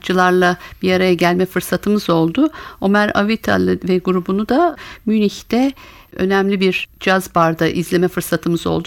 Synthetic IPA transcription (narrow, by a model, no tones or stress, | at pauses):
t͡ʃʰɯlˠaɾlˠab̥iaɾajaɟælʲmɛfɯɾsat̪ʰɯmɯzo̞lˠd̪ʊomæɾa̰vit̪ʰa̰lˠɯvɛɡuɾubunud̪amyniçt̪ɛø̞̰næmlʲibiɾd͡ʒazbaɾd̪aʔizlʲe̞mɛfɯɾsat̪ʰɯmɯzo̞̰lˠd̪